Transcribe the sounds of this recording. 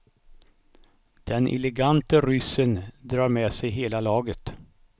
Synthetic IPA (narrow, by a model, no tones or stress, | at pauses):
d̪̥ɛnʔɪ̰lɛɡant̪əɾʏsːənd̪ɾɑːɾmɛsɛjɦeːlalɑːɡət̪